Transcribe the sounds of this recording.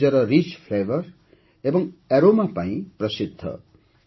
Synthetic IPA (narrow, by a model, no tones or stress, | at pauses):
ʌɾʌrit͡spʰlebʌr | ebʌŋeɾomapaĩprʌsid̪ʱːʌ̰